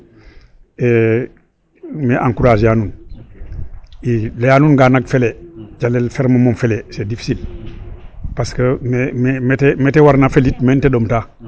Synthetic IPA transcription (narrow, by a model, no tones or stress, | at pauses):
e | meʔaŋkuɾazjanun | ilejanunɡanaɡ̚feled͡ʒalelfeɾməmomfelesedifi̥sil | paskəmememetemetewaɾnafelitmenteɗomta